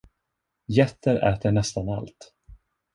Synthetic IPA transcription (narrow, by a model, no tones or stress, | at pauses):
jɛt̪ːəɾɛ̰ːt̪əɳɛst̪ana̰lt̪